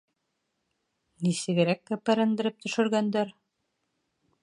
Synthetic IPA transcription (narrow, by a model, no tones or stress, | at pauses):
nisɘ̆ɡɘ̆ɾækːæpæɾɘ̆nd̪ɘ̆ɾɘp̚t̪ɵ̆ʃɵ̆ɾɡænd̪æɾ